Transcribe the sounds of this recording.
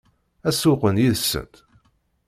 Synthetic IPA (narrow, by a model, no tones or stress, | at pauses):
æsʊqənjiðsːə̰t̪